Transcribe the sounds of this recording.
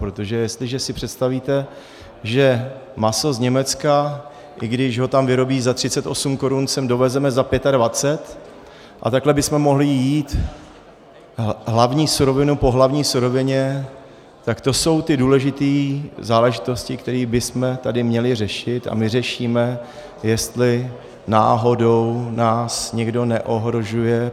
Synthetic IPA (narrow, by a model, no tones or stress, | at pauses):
pɾo̞t̪o̞ʒɛjɛst̪lɪʒɛsɪpr̝̥ɛt̪st̪aviːt̪ɛ | ʒɛmaso̞zɲɛmɛt͡ska | ʔɪɡdɪʃɦo̞t̪amvɪɾo̞biːzat̪r̝̥ɪt͡sɛt̪ʔo̞sumko̞ɾunsɛmdo̞vɛzɛmɛzapjɛt̪advat͡sɛt̪ | ʔa̰t̪aklɛbɪsmɛmo̞ɦlɪjiːt̪ | ɦlavɲiːsuɾo̞vɪnupo̞ɦlavɲiːsuɾo̞vɪɲɛ | t̪akt̪o̞so̞wt̪ɪduːlɛʒɪt̪iːzaːlɛʒɪt̪o̞scɪkt̪ɛɾiːbɪsmɛt̪adɪmɲɛlɪr̝ɛʃɪt̪a̰mɪr̝ɛʃiːmɛ | jɛst̪lɪ | na̰ːɦo̞downaːsɲɛɡdo̞nɛʔo̞ɦɾo̞ʒujɛ